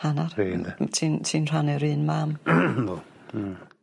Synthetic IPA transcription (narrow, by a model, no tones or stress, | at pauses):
anarintʰiːntʰiːnr̥anɛɾɨːnmaːm